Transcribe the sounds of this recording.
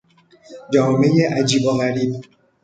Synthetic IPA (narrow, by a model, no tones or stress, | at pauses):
d͡ʒɔmejeʔad͡ʒiboɣaɾib